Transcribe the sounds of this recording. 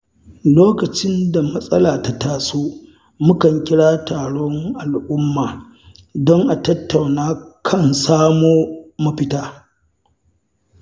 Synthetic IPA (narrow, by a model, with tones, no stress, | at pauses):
loː˦kɐ˨t͡ʃɪ˦nda˨mɐ˦sʼɐ˦laː˨ta˦taː˨soː˦ | mʊ˦kɐ˨ŋkʲɪ˦ɽaː˦taː˨ɽɔ˦ŋʔa˨lʔʊ˦mːaː˨ | dɔ˦ŋʔa˨tɐ˦tːa˨wnaː˦kʰɐ˦˨nsaː˦moː˦mɐ˦ɸɪ˦taː˦